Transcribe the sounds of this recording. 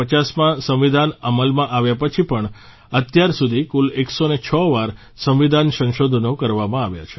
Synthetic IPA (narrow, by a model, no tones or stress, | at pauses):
ət͡ʃasmãsəmʋid̪ʱanəməlmãʔaʋjapət͡ʃʰipəɳ | ət̪jaɾsud̪ʱikuleksonet͡ʃʰɔʋaɾ | səmʋid̪ʱansə̃nʃod̪ʱnokəɾʋamãaʋja̰t͡ʃʰe̥